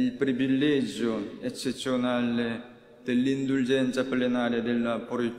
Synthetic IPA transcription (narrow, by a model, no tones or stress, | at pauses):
ilpɾivilːɛd͡ʒoet͡ʃːet̪sːjonale | d̪̥elːind̪uld͡ʒɛnt̪saplenaːɾjad̪elːapoɾi